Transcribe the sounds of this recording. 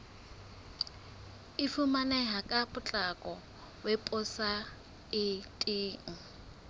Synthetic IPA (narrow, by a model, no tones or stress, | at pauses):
ɪfumanɛɦakʼabʊt͡ɬʼakʼɔ | wɛpʼʊsa | ɪtʼiːŋ̩